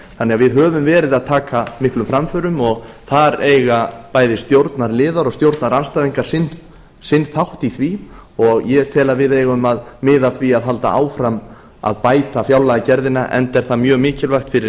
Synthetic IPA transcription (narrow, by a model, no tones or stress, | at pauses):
θanːɛɣavɪðɦœːvʏmvɛːɾɪðaðt̪ʰaːkamɪhklʏmfɾamfœɾʏmɔɣ | θaɾeːjɣapaːjðɪst̪jowɾt̪naɾlɪːðaɾɔɣst̪jowɾt̪naɾanst̪ajðiŋkaɾ̥sɪn | sɪnθawht̪iθviɔɣjɛt̪ʰɛːlavɪðejɣʏmaðmɪːðaθviaðɦalt̪a̰ʔa̰ːwfɾam | a̰ðpaːjt̪afjawlaɣacɛɾðɪnaʔɛ̰nt̪ɛɾ̥θaðmjœːɣmɪːcɪlvaxt̪fɪɾɪ